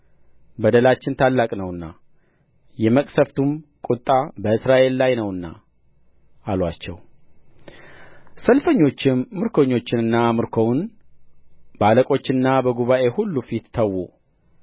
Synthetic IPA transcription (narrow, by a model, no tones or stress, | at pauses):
bəd̪əlat͡ʃːɪnt̪ʰalːakʼnəwɨnːa̰ | jɛməkʼsəft̪ʰumkʼut̪ʼːabəɨsɾaʔe̞lːajnəwɨnːa̰ | ʔalwat͡ʃːɛ̰w | səlfəɲːo̞t͡ʃːɪmːɨɾkʰo̞ɲːo̞t͡ʃːɪnɨnːamɨɾkʰo̞wn | baləkʼo̞t͡ʃːɪnːabəɡuβaʔe̞hulːufit̪ːʰəwːu